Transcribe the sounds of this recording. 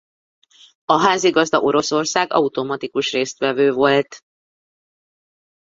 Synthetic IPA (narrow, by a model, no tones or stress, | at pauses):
ɒɦaːziɡɒzd̪ɒʔo̞ɾo̞so̞rsaːɡɒ̰ut̪o̞mɒt̪ikuʃreːst̪ʋɛvøːvo̞lt̪